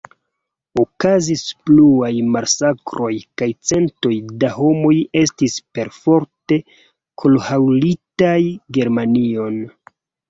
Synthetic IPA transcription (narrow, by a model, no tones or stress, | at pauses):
okazispluajmaɾsakɾo̞jkajt͡se̞nto̞jdaɦo̞mo̞je̞s̬tispe̞ɾfo̞ɾte̞ | kʰolhawlitajɡe̞ɾmanio̞n